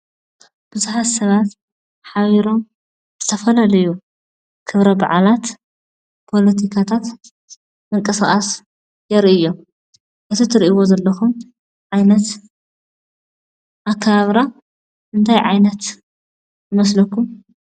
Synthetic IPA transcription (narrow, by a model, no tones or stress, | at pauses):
b̥ɨzuħat̪sɐβat̪ | ħaβiɾo̞m | z̥ɨt̪ʰɐfɐlɐlɐju | kʰɨβɾɐba̰ʕalat̪ | pʰo̞lɐt̪ʰikʰat̪ʰat̪ | ɨŋkʼɨsxʼas | jɛɾʔɨjom | ʔɨt̪ʰit̪ʰɨɾʔiwo̞zɐlːɐxum | ʕajnɐt̪ | ʔakʰːaβaβɾa | ʔɨnt̪ʰajʕajnɐt̪ | zɨmɐslɐkʰːum